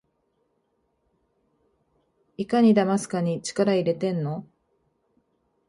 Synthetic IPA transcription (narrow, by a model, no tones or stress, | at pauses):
ikaɲ̟id̪amasɨ̥kaɲ̟it͡ɕi̥kaɾaiɾe̞t̪ẽ̞nːo̞